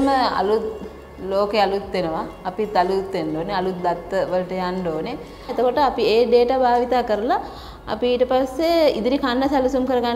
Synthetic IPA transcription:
məɐ̰lut̪ | loːkealut̪ːenɐʋaːpit̪ɐlut̪ːeɳɖoːneɐlut̪̚d̪at̪ːəʋəlʈəjaɳɖoːne | et̪okoʈəapieːɖeːʈabʱaːʋit̪aːkəɾɐla | ɐ̰piːʈəpasːeḭd̪iɾikʰanɖɐsalusumkəɾɐɡan

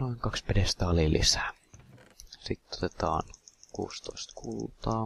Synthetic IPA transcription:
noiŋkɑkspedest̪æɑlilʔḭsæ̥ː | sit̪ːo̥t̪et̪ɑ̰ːnkṵːst̪oist̪kult̪ɑː

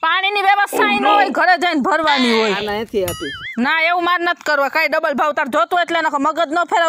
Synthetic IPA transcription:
paɽ̃iniʋjəʋəst̪ʰainɦojɡʱəɾed͡ʒəjnbʱəɾʋaniɦojnaẽt̪ʰiat̪inaeʋũmaɾnət̪ʰi̥kəɾʋakaiɖəbəlbʱaʋt̪aɾd͡ʒot̪ũeʈlenəkoməɡəd̪nopʰeɾa

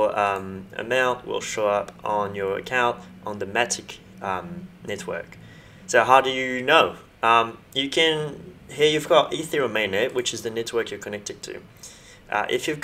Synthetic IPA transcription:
əʌ̃mɨ̰mãʊ̃nʔwɪ̰lˠʃoʊʌpn̩jə˞ɨ̰kʰãʊ̃nt | ʔn̩ðəmæɾʰɪk | ʌ̃mnɛt̚wɜ̰˞k | soʊɦaʊdɨjɨnoʊ | ʔʌ̃m | jɨkʰɨ̃nhiɹjʉvɡɔɾiθiɹəmẽɪ̃ndɨʔwɨt͡ʃɨzðɨnɛt̚wɜ˞kjə˞kʰənɛk̚tɨd̚tʰʉ̰ | ʔʌ̰ʔɪ̰fjʉvɡ

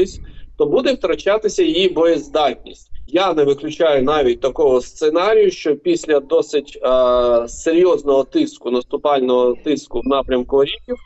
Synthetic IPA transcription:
ɪsʲt̪ɔbud̪ɛwt̪ɾɐt͡ʃɑt̪ɪsʲɐjijibɔjɛzd̪ɑtʲnʲḭsʲtʲjanɛʋɪklʲʊt͡ʃɑjʊnɑʋʲit̚ʲt̪ɐkɔɦɔst̪senɑɾʲijʊʃt͡ʃɔpʲisʲlʲɐd̪ɔsɪtʲː | seɾʲjɔznɔɦɔt̪ɪskʊnɐst̪ʊpɑlʲnɔɦɔt̪ɪskʊwnɑpɾʲɐmkʊɔɾʲikʲiw

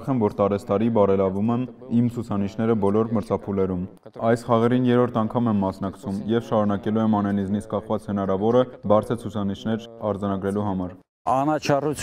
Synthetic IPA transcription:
χɛmvɔɾt̪ɑɾɛsʰt̪ɑɾibɑɾɛlɑvumɛmimt͡sʰut͡sʰɑniʃnɛɾəbɔlɔɾməɾt͡sʰɑpʰulɛɾum | ɑjsχɑʁɛɾinjɛɾɔɾt̪ʰɑŋkʰɑmɛmːɑsn̪ɑkt͡sʰumjɛvʃɑɾunɑkɛluɛmɑnɛnizmnit͡skɑχvɑt͡shənɑɾɑvɔɾəbɑɾt͡sʰət͡sʰut͡sʰɑniʃnɛɾɑɾd͡zɑnɑɡɾɛluɦɑmɑɾ | ɑnɑt͡ʃʰɑrut͡sʰ

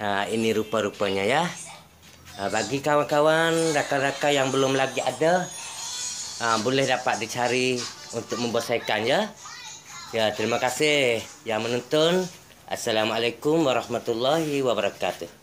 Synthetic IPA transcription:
əiniɾupaɾupaɲaja | baɡikawankawandakadakajaŋbəlʊmlaɡiada | mbolɛhdapat̪̚dit͡ʃaɾiunt̪ʊk̚məmbəsajkanja | jat̪əɾimakasɪhhjaŋmənɔnt̪ɔn | ʔa̰sːalamalajkʊmwaɾɑhmat̪ulːaɦiwabəɾakat̪uh

